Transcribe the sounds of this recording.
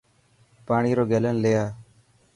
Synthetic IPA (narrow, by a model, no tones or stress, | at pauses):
paːɳiːɾoːɡeːlənlejaː